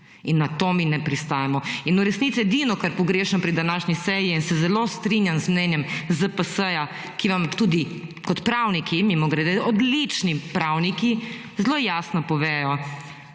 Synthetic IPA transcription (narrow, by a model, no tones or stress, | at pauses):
inːat̪oːminɛpɾist̪ajɛmɔinuɾɛsnit̪sijɛd̪inɔkaɾpɔɡɾeːʃɛnɔpɾid̪anaːʃnisɛːjiinsɛzɛlost̪ɾinjanzmnɛnjɛmzəpəsəja | kiʋamt̪ud̪ikɔt̪pɾawnikimimɔɡɾed̪ɛɔd̪lit͡ʃnipɾawniki | zloːjaːsnɔpɔʋɛːjɔ